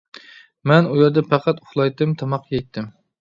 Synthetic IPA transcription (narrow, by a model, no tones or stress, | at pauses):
mɛnujɑɾd̪ɛpʰɑqʰɑt̪ʊχlˠɑjt̪ɨmt̪ʰɑmɑqːjɛjt̪ʰːɪm